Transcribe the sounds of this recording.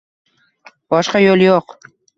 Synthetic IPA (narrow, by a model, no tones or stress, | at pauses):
bɒʃqɑjolˠjoq